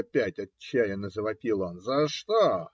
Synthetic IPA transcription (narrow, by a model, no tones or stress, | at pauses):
pʲætʲɐt͡ɕt͡ɕːæjənəzəvɐpʲilˠonzɐʂt̪o